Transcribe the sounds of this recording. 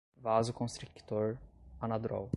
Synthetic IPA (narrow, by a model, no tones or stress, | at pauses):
vazʊkõst̪ɾikt̪oɾɐnad̪ɾɔ̰w